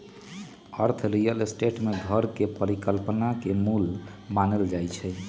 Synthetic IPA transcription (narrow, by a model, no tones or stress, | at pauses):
əɾt̪ʰɾijəlesʈeʈmeɡʱəɾkepəɾikəlpnakemulmanəld͡ʒajt͡ʃʰɛ